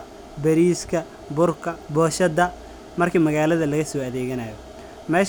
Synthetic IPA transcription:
bɐɾiːskʰɐ | bʊrkʰɐbɔːʃɐd̪ɐ | mɐrkʰiːmɐɣaːlɐðɐlɐɣɐsɔːɐðɛːɣɐnaːjɔ | mɛːʃ

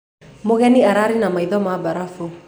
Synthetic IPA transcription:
moɣɛniaɾaɾinamaiðɔmabaɾafu

